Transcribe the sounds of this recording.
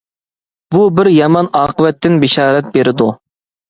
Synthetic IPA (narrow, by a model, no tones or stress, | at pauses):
bubɪɾjɑmɑnɑːqəvɛt̪ːɪnbɪʃɑːɾɛt̪̚beɾɪd̪u